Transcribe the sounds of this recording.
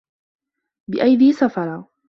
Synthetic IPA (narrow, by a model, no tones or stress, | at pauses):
bɪʔajd̪iːsafɑɾˤɑ